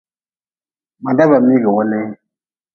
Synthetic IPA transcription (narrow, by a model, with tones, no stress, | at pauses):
ma˨da˦ba˨mi˦ɡə˨wɔ˦nɛ˦